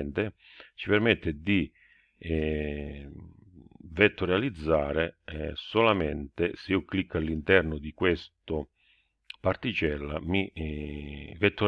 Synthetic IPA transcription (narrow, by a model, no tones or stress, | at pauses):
nt̪e | t͡ʃipɛrmɛt̪ːɪd̪i | vet̪ːʊɾjalid̪zːaːɾesolament̪ɪseiːʊklikʰːalːint̪ɛrnʊd̪ikwest̪ʊ | part̪it͡ʃɛlːa̰mi | vet̪ːʊ